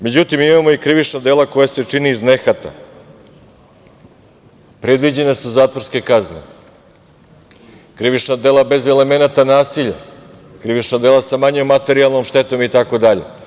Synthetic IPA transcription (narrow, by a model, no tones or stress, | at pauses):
me̞d͡ʑut̪imimamo̞ikɾiʋit͡ʂnad̪elako̞jase̞t͡ʂiniːzne̞xat̪a̰ | pɾed̪ʋid͡ʑe̞nasuzaːt̪vʋoɾske̞kaznḛ | kɾiʋit͡ʂnad̪elˠabe̞zele̞me̞nat̪anaːsiʎa̰ | kɾiʋit͡ʂnad̪e̞ːlˠasamaɲomːat̪e̞ɾialˠno̞mʃt̪e̞t̪o̞mit̪ako̞d̪aʎe̞̰